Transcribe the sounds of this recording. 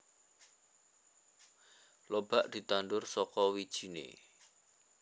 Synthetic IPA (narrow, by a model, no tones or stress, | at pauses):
lob̥aʔd̪̥i̤t̪and̪ʊrsɔkɔwid̥ʒ̥i̤nḛ